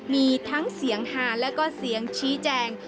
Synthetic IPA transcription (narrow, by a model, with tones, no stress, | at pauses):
miː˧t̪ʰa˦˥ŋsi˨˩˦əŋhaː˩˦lɛː˦˥wkɔː˥˩si˨˩˦əŋt͡ɕʰiː˦˥t͡ɕɛː˧ŋ